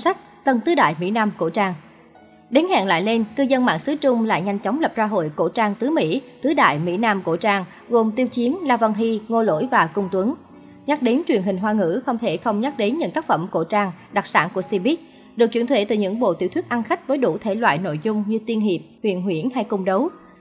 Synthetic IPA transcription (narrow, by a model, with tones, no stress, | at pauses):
sa˦˥k̟̚t̪ə˧nt̪ɨ˨˦ɗa̰ː˧˨jmḭ˧˥naː˧mko̰˧˩t͡ɕaː˧ŋ | ɗe˨˦nha̰˧˨nla̰ː˧˨jle˧nkɨ˧zə˧nma̰ː˧˨ŋsɨ˨˦t͡ɕʊ˧ŋ͡mla̰ː˧˨jŋa˧jŋ̟t͡ɕɔ˨˦wŋ͡mlə˨˩p̚zaː˧ɦo̰˧˨jko̰˧˥˩t͡ɕaː˧ŋt̪ɨ˨˦mḭ˧˥t̪ɨ˨˦ɗa̰ː˧˨jmḭ˧˥naː˧mko̰˧˩t͡ɕaː˧ŋ | ɣo˨˩mt̪i˧əwt͡ɕi˨˦ənlaː˧və˧ŋɦi˧ŋo˧lo̰˧˥˨jvaː˨˩kʊ˧ŋ͡mt̪wə˨˦n | ɲa˦˥k̚ɗe˨˦nt͡ɕwi˨˩ənɦï˨˩ŋ̟ɦwaː˧ŋɨ̰˧˥xə˧wŋ͡mt̪ʰe˧˩xə˧wŋ͡mɲa˦˥k̚ɗe˨˦nɲɨ̰˧˨nt̪aː˦˥k̚fə˧˩mko̰˧˩t͡ɕaː˧ŋɗa˨˩k̚sa̰ː˧˩nku˧˩əsi˧ɓi˦˥k̚ | ɗɨ˨˩ək̚t͡ɕwi˧˩ənt̪ʰwḛ˧˩t̪ɨ˨˩ɲɨ̰˧˥ŋɓo̰˧˨t̪ḭ˧˩wt̪ʰi˦˥tʔa˧nxa˦˥k̟̚vəː˨˦jɗṵ˧˩t̪ʰe˧˩lwa̰ː˧˨jno̰˧˨jzʊ˧ŋ͡mɲɨ˧t̪i˧ənɦi˨˩əp̚hwḭ˧˨ənɦwḭ˧˩ənha˧jkʊ˧ŋ͡mɗə˨˦w